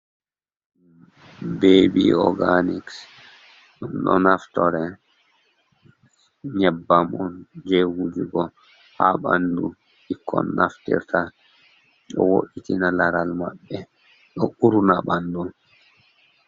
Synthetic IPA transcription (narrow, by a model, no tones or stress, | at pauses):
beːbiɔ̰ɡaniks | ɔnɗɔnaftɔɾɛ | ɲɛbːamɔnd͡ʒehud͡ʒuɡɔ | ha̰ɓa̰ndu | ikʰːɔ̰nːaftḭɾta | ɗɔwoʔitinalaɾalma̰ɓːɛ | ɗɔʔuɾunabandun